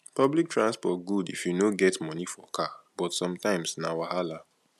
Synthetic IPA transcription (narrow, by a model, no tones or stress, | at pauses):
pɔblik̚tɹãnspɔt̚ɡudifjunoɡɛtmɔnifɔkab̥ɔtsɔ̃mtãɪ̃msnawaɦala